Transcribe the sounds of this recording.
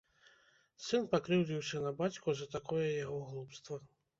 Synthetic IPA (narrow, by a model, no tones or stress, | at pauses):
sɨnpakɾɨwd͡zʲiwsʲɐnɐbat͡sʲkuzɐt̪akɔjɛjaɣɔɣlˠupst̪vɐ